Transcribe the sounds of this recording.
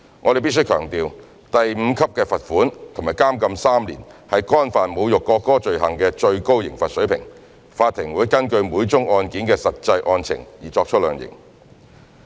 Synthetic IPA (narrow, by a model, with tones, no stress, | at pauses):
ŋɔː˨˧te˨jp̬i˥ts̬ɵ˥jkʰœː˨˩ŋt̪iː˨w | t̪ɐ˨jm̩˨˧kʰɐ˥p̚kɛː˧fɐ˨t̚fuː˨˥nt̪ʰʊ˨˩ŋmaː˨˩jkaː˥mkɐ˧msaː˥mlḭ˨˩nhɐ˨jkɔː˥nfaː˨nmo˨˧wjʊ˨kːɔː˧kːɔː˥t͡ʃɵ˨ɥɦɐ˨˩ŋkɛː˧t͡ʃɵ˧ɥko˥wjɪ˨˩ŋfɐ˨t̚sɵ˨˥ɥpʰɪ˨˩ŋ | faː˧t̪ʰːɪ˨˩ŋwuː˨˥jkɐ˥nkɵ˧ɥmuː˨˧jt͡sʊ˥ŋɔː˧nkiː˨˥nkɛː˧sɐ˨t̚t͡sɐ˧jʔɔː˧nt͡sʰɪ̰˨˩ŋjiː˨˩t͡sɔː˧k̚t͡ʃʰt̚lœː˨˧ŋjɪ̰˨˩ŋ